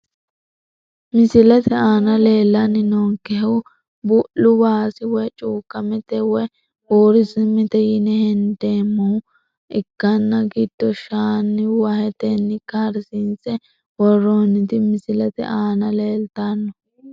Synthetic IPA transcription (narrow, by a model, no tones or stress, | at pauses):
mɪsɪlɐt̪ɛaːnɐle̞ːlːɐnːɪnoːŋkɛɦɛw | bʊʔʊbaːsɪwɔt͡ʃʼuːkːɐmɛt̪ɛwɔ | woːɾɪsɪmːɪt̪ɛjɪnɛhɛnd̪eːmːɐʊ | ɪkːɐnːɐɡid̪̥ːɔʃaːnːɪwɐhɛt̪ɛnːɪkaɾsint͡sɛ | wɔroːnːɪt̪ɪmɪsɪlɐt̪ɛ̰ʔaːnɐle̞ːlt̪anːɔ